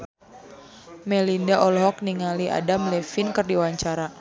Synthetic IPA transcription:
mɛlindaʔɔlɔɦɔk̚niŋaliʔa̰damlɛfinkɨrdiwaɲt͡ʃaɾa

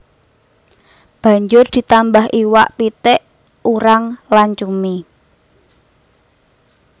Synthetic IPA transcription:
b̥ä̤ɲd͡ʒʊrd̪̥i̤t̪ambaɦʔiwaʔpit̪ɛʔ | uɾaŋlant͡ʃumi

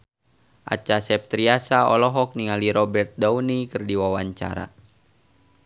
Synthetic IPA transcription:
ʔa̰t͡ʃasɛp̚t̪ɾiasaɔlɔɦɔk̚niŋaliɾɔbɛrt̪̚daunikɨrdiwawaɲt͡ʃa̰ɾa̰

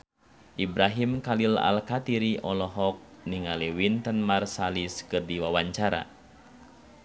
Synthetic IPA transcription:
ʔibɾaɦimkalila̰lkat̪iɾiɔlɔɦɔk̚niŋaliwint̪ənmarsaliskɨrdiwawaɲt͡ʃaɾa̰

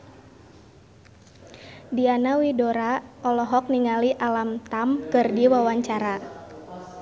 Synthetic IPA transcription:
dianawidoɾaɔlɔɦɔk̚niŋaliʔalamt̪amkɨrdiwawaɲt͡ʃaɾa

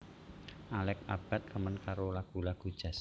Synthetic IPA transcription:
ʔalɛk̚ab̥a̤t̪̚kəmənkaɾolaɡ̥ṳlaɡ̥ṳd̥ʒ̥a̤s

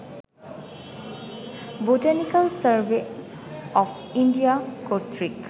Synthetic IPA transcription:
botanikalsaɹbe | ɔpʰ | indijakoɹt̪ʰɹik

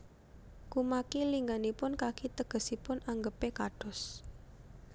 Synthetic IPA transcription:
kumakiliŋɡanipʊnkakit̪əɡ̥ə̤sipʊnaŋɡəpekaɖ̥ɔ̤s

